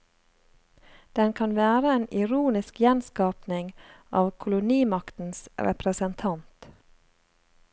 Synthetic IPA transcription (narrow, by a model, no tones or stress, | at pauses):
d̪̥ɛnkʰɑnʋæːɾəeːnɪɾuːnɪskjɛnskɑːpnɪŋʔɑːʋkʰʊlʊniːmɑkt̪n̩sɾɛ̰pɾəsənt̪ʰɑnt̪